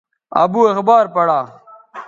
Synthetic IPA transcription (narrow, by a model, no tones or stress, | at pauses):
ɐ̰buːexbaːɾpɐɽaː